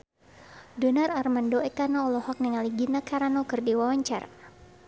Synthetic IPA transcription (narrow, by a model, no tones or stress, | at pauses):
dɔnaɾarmandɔɛkanaɔlɔhɔk̚niŋaliɡinakaɾanɔkɨrdiwawaɲt͡ʃa̰ra̰